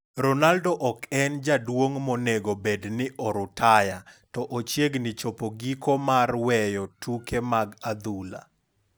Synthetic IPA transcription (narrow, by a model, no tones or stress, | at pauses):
ɾɔnaldɔʔɔkɛnd͡ʒadwoŋmoneɡobednɪʔɔɾʊtʰajatɔʔot͡ʃjeɡnɪt͡ʃopoɡikomarwɛjɔtukemaɡad̪ula̰